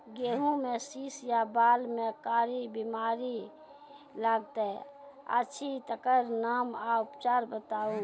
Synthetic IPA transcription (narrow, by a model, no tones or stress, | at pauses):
ɡeːɦũmẽsiːsjabaːlmẽkaːɾibimaːɾi | laɡt̪ɛə̰tːt͡ʃʰit̪əkəɾnaːmaʊpt͡ʃaːɾbət̪aːũ